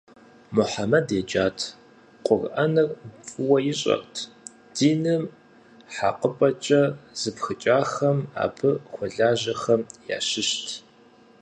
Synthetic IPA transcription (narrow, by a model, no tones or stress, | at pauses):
mʊħamɐded͡ʒaːtʰ | qʷʼʊrʔɐnɐrt͡sʼɨwɐjɪɕʼɐ̰rtʰ | d̥iːnɨm | ħaqəpʼɐt͡ʃʼɐz̥ɨpxɨt͡ʃʼaːxɐma̰ːbʰɨχʷɔɮaːʑɐxɐmja̰ːʃɪʃtʰ